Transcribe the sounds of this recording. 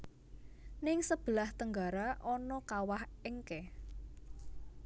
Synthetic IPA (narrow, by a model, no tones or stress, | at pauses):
nɪŋsəb̥əlaht̪əŋɡaɾaʔɔnɔkawahɪŋkɛ